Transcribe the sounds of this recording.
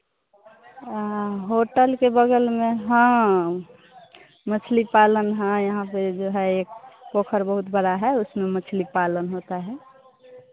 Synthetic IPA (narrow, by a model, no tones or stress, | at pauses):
ɦoʈəlkebəɡəlmẽɦə̃ | mət͡ʃʰlipalənɦə̃jəɦãped͡ʒoɦɛeːk̚pokʰəɾbəɦut̪bəɽaɦɛʊsmemət͡ʃʰlipalənɦot̪aɦɛ